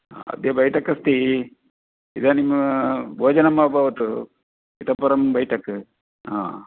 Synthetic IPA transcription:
ɐ̰d̪jɐbɐjʈɐkːɐst̪i | id̪animbʱoːd͡ʒɐnɐmːɐɐbʱɐʋɐt̪u | it̪ɐpːɐɾɐmbɐjʈɐkːɨ | ɦa̰ː

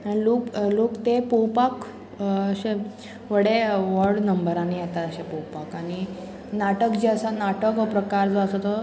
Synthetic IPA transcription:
aloklokt̪epowpak | əɕẽ | ʋəɽeʋəɾɽnəmbəɾanijat̪at̪əɕepowpakaɽ̃i | naʈəkd͡ʑiəsanaʈəkʋəpɾəkaɾd͡zoəsət̪ə

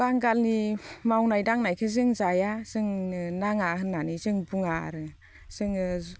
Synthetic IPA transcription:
baŋɡalnimawnajdaŋnajkʰɯzɯŋzajaz̥ɯŋnaŋahɯnːanizɯŋbuŋa̰ɾɯ | z̥ɯŋ

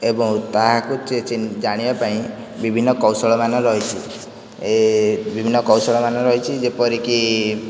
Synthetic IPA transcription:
ebɔŋt̪aɦakut͡ʃet͡ʃind͡ʒaɽ̃ibapaĩ | bibʱinːɔkɔwsɔɭɔmanɔɾɔɦit͡ʃʰi | ebibʱinːɔkɔwsɔɭɔmanɔɾɔɦit͡ʃʰid͡ʒepɔɾiki

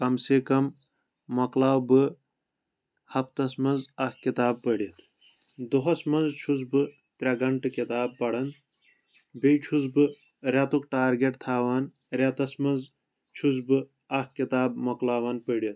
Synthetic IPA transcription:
kɐmsekɐmː | ɐklaːwbɨ | hɐpt̪ɐsmɐnzɐkkit̪aːb̚pəɽiɐt̪ʰ | d̪oɦɐsmɐnzt͡ʃʰuzbɨ | t̪ɾɐɡɐɳʈɨkit̪aːb̚pɐɽɐn | bejt͡ʃʰuzbɨ | ɾʲɐt̪ukʈaːɾɡeʈt̪ʰaːwaːn | ɾʲɐt̪ɐsmɐnz | t͡ʃʰuzbɨ | ɐkkit̪aːbmɐklaːwɐnpəɽiɐt̪̚

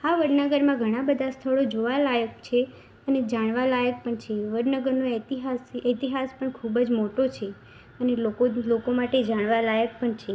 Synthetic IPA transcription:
aʋəɽnəɡəɾmãɡʱəɽ̃ãbəd̪ʱast̪ʰəɭod͡ʒoʋalajək̚t͡ʃʰe | əned͡ʒaɳ̃ʋalajək̚pəɳt͡ʃʰeʋəɾnəɡəɾnoɛt̪iɦasɛt̪iɦaspəɳkʰubd͡ʒmoʈot͡ʃʰe | ənelokolokomaʈed͡ʒaɽ̃ʋalajək̚pəɳt͡ʃʰe

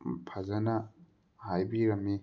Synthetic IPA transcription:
pʰɐzɐnɐ | hajbiɾɐmːi

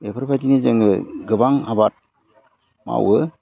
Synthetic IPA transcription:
epʰɯɾpajtinizɯŋɡɯɡɯbaŋhabat̚ | ma̰wɯ

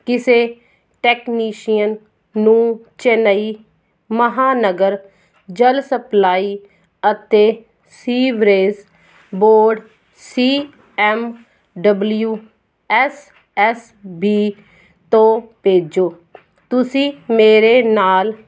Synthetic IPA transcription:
kɪseː | ʈɛːkniːʃijənː | ũːt͡ʃɛnəiː | məɦaːnəɡəɾ | d͡ʒəlsəplaːiː | ət̪eː | siːʋɾeːz | boːɖ | siː | ɛːm | ɖəbljuː | ɛːs | ɛːs | biː | t̪õːpeːd͡ʒoː | t̪ʊsĩːmeːɾeːnaːl

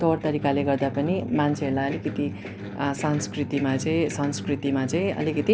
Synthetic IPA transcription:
t̪ʌʌrt̪ʌɾikaleɡʌrd̪apʌnimant͡sʰeɦʌɾlajʌlikʌt̪i | sanskrit̪imat͡sʌĩsʌnskrit̪imat͡sʌĩʌ̰likʌt̪i

